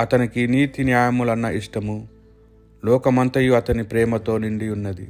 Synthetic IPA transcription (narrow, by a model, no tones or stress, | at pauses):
ɐt̪ɐnikiniːt̪injaːjɐmulɐnːɐʔiʂʈɐmu | lɔːkɐmɐnt̪ɐjuɐt̪ɐnipɾɛːmɐt̪o̞ːniɳɖiunːɐd̪ḭ